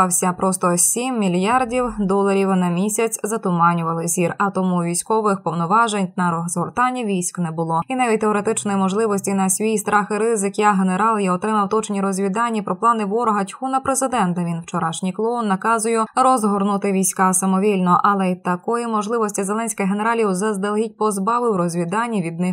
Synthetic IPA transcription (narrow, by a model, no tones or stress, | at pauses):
ɑwsʲɐpɾɔst̪ɔsʲimːʲilʲjardʲiwd̪ɔlˠɐɾʲiwnɐmʲisʲɐt͡sʲzɐt̪ʊmɑnʲʊʋɐlˠɪzʲirɐt̪ɔmuʋʲijsʲkɔʋɪxpɔwnɔʋɑʒenʲnɐɾɔzɦɔrt̪anʲːiʋʲijsʲknɛbʊlˠɔinɑʋʲit̚ʲt̪eɔɾet̪ɪt͡ʃnɔjimɔʒlˠɪʋɔsʲtʲinɐsʲʋʲijst̪ɾɑxɪɾɪzɪkjaɦeneɾɑlˠjɐɔt̪ɾɪmɐwt̪ɔt͡ʃnʲiɾɔzʲʋʲid̪anʲːipɾʔɔplˠɑnɪʋɔɾɔɦɐtʲxunɐpɾezɪd̪ɛnt̪ɐʋʲinwt͡ʃɔɾɑʃnʲijklˠɔnːɐkɑzʊjɛɾɔzɦɔrnʊt̪ɪʋʲijsʲkasɐmɔʋʲilʲnɔʔɐlˠɛit̪ɐkɔjɛmɔʒlˠɪʋɔsʲtʲizelˠɛnʲsʲkɐjɦeneɾɑlʲjiwzɐzd̪elˠɦʲit̚ʲpɔzbɑʋɪwɾɔzʲʋʲid̪anʲːiʋʲid̪nɪ